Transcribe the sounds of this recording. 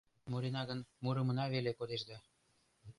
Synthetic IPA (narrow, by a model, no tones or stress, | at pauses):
muɾinɑɣənmuɾə̆mə̆nɑβelekod̪eʃd̪ɑ